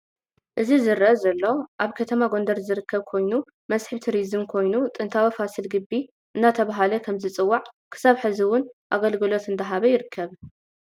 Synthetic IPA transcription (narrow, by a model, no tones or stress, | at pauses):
ʔɨzizɨɾɐzɐlːo̞ʔaβkʰɐt̪ʰɐmaɡo̞nd̪ɐɾzɨɾɨkʰːɐβkʰo̞jnu | mɐsħɨβt̪ʰiɾizɨmkʰo̞jnut̪ʼɨnt̪ʰawifasɨlɡɨbːi | ʔɨnːat̪ʰɐβaɦalɐkʰɐmzɨt͡sʼɨwːaʕkʰɨ̥saβħɨziwʊnʔaɡɐlɡɨlo̞t̪ɨnd̪ʰɐɦaβɐjɪɾɨkʰːɐβ